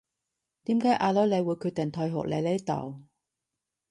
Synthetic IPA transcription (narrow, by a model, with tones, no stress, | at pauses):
t̪iː˨˥mkaː˨˥jʔaː˧lɔː˨˥jle˨˧jwuː˨˧jkʰyː˧t̚t̪ɪ˨ŋt̪ʰɔː˧jɦɔ̰˨˩k̚le˨˧jle˨˥jt̪ɐ̰˨˩w